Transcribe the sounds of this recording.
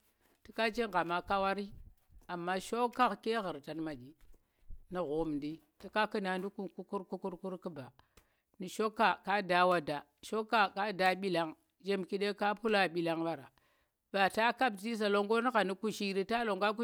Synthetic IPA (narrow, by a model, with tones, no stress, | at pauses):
ti˦ka˦t͡ʃe˦ŋɡa˨ma˨ka˦wa˦ɾi˦ | a˨mːa˦ʃo˦ka˦kke˦ɣə˨ɾta˨nma˨d͡ʒi˨ | ni˨ɣo˨˦m˨ndi˦ | ti˦ka˦ki˦na˨ndu˦ku˦ku˦ku˦ɾku˦ku˦ɾku˦ɾki˦ba˨ | ni˨ʃo˦kːa˨ka˦da˨wa˦da˨ | ʃo˦kːa˦ka˦da˦ɓi˦la˦ŋ | d͡ʒe˦mki˦ɗe˦ka˦pu˦la˦ɓi˨la˦ŋba˨ɾa̰˨ | b̥a˨ta˦ka˦bti˦s̬a˨lo˦ŋɡo˦ni˦ɣa˨ni˦ku˦ʃi˦ɾi˦ta˦lo˨ŋɡa˦k̬u˦